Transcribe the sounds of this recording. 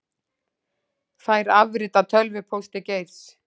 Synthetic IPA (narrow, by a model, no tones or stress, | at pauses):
θaːjɾavɾɪt̪at̪ʰœlvʏpʰowst̪ɪcejvs